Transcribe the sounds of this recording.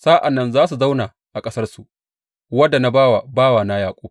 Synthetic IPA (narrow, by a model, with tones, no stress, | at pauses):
saː˦ʔa˨nːɐ˦˨nzaː˦su˨za˦wnaː˨ | ʔa˨kʼɐ˦sɐ˦rsu˨ | wɐ˦dːa˨na˦baː˦wa˨baː˦waː˨na˦jaː˨kʷʼoː˦